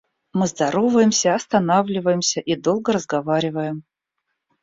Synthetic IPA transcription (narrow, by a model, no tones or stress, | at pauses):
mɨzd̪ɐɾo̞vəjɪmsʲəɐst̪ɐnavlʲɪvəjɪmsʲəʔid̪o̞lˠɡəɾəzɡɐvaɾʲɪvəjɪm